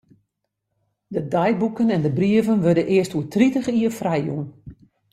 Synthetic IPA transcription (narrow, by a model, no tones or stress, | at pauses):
dədajbukənɛndəbriəvənʋødənʔɪəstuətʰritəχiərfrɛjṵn